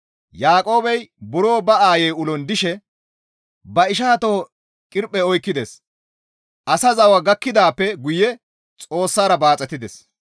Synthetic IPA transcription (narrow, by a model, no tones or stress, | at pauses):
jaːkʼo̞ːbɛjbʊɾo̞ːbɐaːjɛjʊlɔnd̪ɪʃɛ | bɐɪʃ̬aːt̪o̞ː | kʼɪɾpʼːɛɔjkːɪd̪es | ʔɐsɐzɐwɐɡɐkːɪd̪aːpːɛɡʊjɛ | t͡sʼo̞ːsːaːɾɐbaːt͡sʼɛt̪ːɪd̪ɛs